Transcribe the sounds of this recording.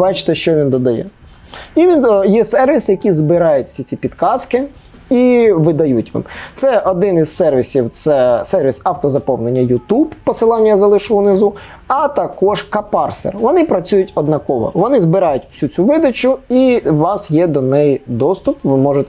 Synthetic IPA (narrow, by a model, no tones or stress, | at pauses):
bɑt͡ʃɪ̥t̪ɪʃt͡ʃɔʋʲind̪ɔd̪ɐjɛ̰ | iʋʲinjɛsɛrʋʲisjɐkʲizbɪɾɑjʊtʲwsʲit͡sʲipʲid̪kɑskɪ | iʋɪd̪ɐjutʲʋɪ̰mt̪sɛɔd̪ɪnizsɛrʋʲisʲiwt̪sɛsɛrʋʲisɑwt̪ɔzɐpɔwnenʲːɐjʊt̪ubpɔsɪlˠɑnʲːɐzɐlˠɪʃʊʊnɪzu | ɐt̪ɐkɔʒkɐpɑrsḛrʋɔnɪpɾɐt͡sʲujʊtʲɔd̪nɐkɔʋɔ̰ʋɔnɪzbɪɾɑjʊtʲwsʲut͡sʲuʋɪd̪ɐt͡ʃʊiʋɑsjɛd̪ɔnɛjd̪ɔst̪ʊpʋɪmɔʒʊt̪